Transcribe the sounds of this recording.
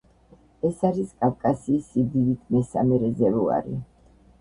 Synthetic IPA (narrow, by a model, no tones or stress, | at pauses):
ɛsaɾiskʼafkʼasiːsid̪id̪it̪ʰmɛsa̰mɛɾɛzɛvua̰ɾḭ